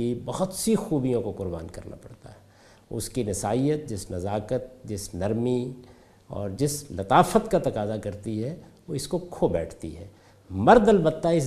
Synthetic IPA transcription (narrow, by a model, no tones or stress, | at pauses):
ibɐɦʊt̪sixuːbijõkoqʊɾbaːnkɐ̰ɾna̰pɐ̰ɽt̪a̰ɦɛ | ʊ̰skinɪsaːijət̪̚d͡ʒɪsnɐzaːkət̪̚d͡ʒɪsnɐɾmi | ɔ̰ːɾd͡ʒɪslɐt̪aːfət̪kat̪ɐkaːzakɐɾt̪iɦɛʋoɪskokʰobɛːʈʰt̪ḭɦɛ̰ː | mɐɾd̪əlbɐt̪ːaɪs